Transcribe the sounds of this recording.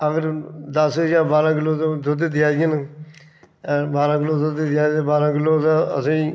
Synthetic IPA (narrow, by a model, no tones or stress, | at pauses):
əɡəɾd̪əsɦəjaːɾbaːɾãːkɪlːoːt̪õd̪ʊd̪eːd̪ɪjaːɡən | baːɾãːkɪlːoːd̪ʊd̪ed̪ɪjaːeːbaːɾãːkɪloːt̪ãə̰sĩː